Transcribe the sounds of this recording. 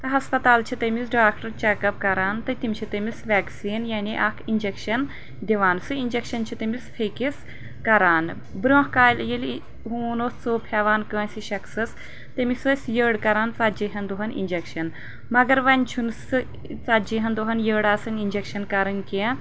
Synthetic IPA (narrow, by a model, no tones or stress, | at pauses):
t̪ɐɦɐspɐt̪aːlt͡ʃʰit̪ɐmis̬ɖaːkʈɐɾt͡ʃekɐp̚kɐɾaːnt̪ɐt̪imʲt͡ʃʰit̪ɐmisʋʲɛːksiːnjaːniʔɐkʰind͡ʒekʃɐn | d̪ʲiʋaːnsɨinʲd͡ʒekʃɐnt͡ʃʰit̪ɐmispʰekis | kɐɾaːn | bɾõːhkaːjlʲɐjil | ɦuːnoːst͡soːpʰeːʋaːnkə̃ːsʲiʃɐkʰsɐs | t̪ɐmisɐsʲjəːɽkɐɾaːnt͡saːd͡ʒiɦɐnd̪uɦɐnḭnʲd͡ʒekʃɐn | mɐɡɐɾʋɐnʲt͡ʃʰunsɨ | t͡saːd͡ʒiɦɐnd̪uɦɐnjəːɽaːsɐnind͡ʒekʃɐnkɐɾɐnki